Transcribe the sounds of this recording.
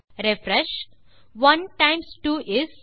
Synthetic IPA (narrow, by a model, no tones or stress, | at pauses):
ɾefɾɛʃ | ʋʌ̃nʈãɪ̃msʈuːʔɪz